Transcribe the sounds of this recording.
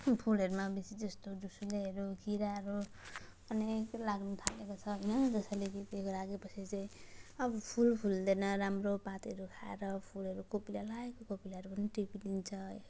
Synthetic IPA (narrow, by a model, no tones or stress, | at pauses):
pʰulɦʌɾumabisid͡zʌst̪odusuleʌɾukiɾaɾu | ʌneklaɡnut̪ʰalekot͡sʰʌɦʌjnʌd͡zʌsalekit̪ekoɾaɡepʌsʰit͡saĩʌbʌpʰulpʰuld̪enʌɾamropat̪ɦʌɾukʰaḛɾʌpʰulɦʌɾukopilalaekokopilaɾupʌniʈipid̪int͡sʰʌ